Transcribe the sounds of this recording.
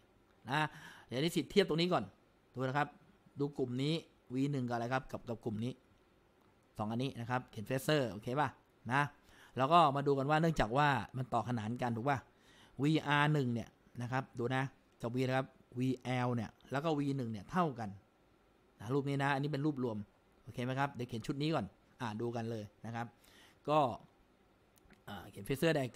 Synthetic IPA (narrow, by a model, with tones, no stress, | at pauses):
na˦˥jaː˨˩˨niː˦˥si˨˩t̪ʰːi˥˩p̚t̪o˧ni˦˥kɔː˨˩n | d̥uː˧la˦˥kʰa˦˥p̚ | duː˧ku˨˩mniː˦˥ | wiː˧nɯ˨˩ŋkɔ˨˩la˧˩kʰa˦˥p̚ka˨˩p̚ka˨˩p̚ku˨˩mniː˦˥ | sɔː˨˦ŋʔa˧nːiː˦˥ʔna˦˥kʰa˦˥p̚kʰi˨˩˦nfeː˦˥sɤː˥˩ʔoː˧kʰeː˧baː˥˩ | na˦˥ | lɛː˦˥wkɔː˥˩maː˧duː˧ka˧nwaː˥˩nɯ˥˩ŋt͡ɕaː˨˩k̚waː˥˩ma˧nt̪ɔː˨˩kʰa˧naː˩˦nka˧nt̪ʰuː˨˩k̚waː˥˩ | wiː˧ʔaː˧nɯ˨˩ŋni˥˩ə | na˦˥kʰa˦˥p̚duː˧na˦˥ | ka˨˩wiː˧laː˧˦kʰa˦˥p̚wiː˧ʔɛː˧wni˥˩əlɛː˦˥wkɔː˥˩wiː˧nɯ˨˩ŋni˥˩ɐt̪ʰa˥˩wka˧nː | a˦˥ɾuː˥˩p̚niː˦˥na˦˥ʔa˧nːi˦˥pe˧nɾuː˥˩p̚ɾu˧əm | ʔoː˧kʰeː˧ma˦˥jkʰa˦˥p̚dkʰi˩˦nt͡ɕʰu˦˥t̪̚niː˦˥kɔː˨˩n | ʔa˨˩duː˧ka˧nlɤː˧jna˦˥kʰa˦˥p̚ | kɔː˥˩ | ʔaː˨˩kʰi˨˩˦nfʰe˦˥sɤː˥˩da˧